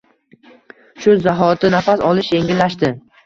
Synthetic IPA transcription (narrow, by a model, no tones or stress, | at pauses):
ʃʊzaɦɒt̪ɪnafasɒlˠɪʃje̞ŋɡʲɪlːaʃt̪ɪ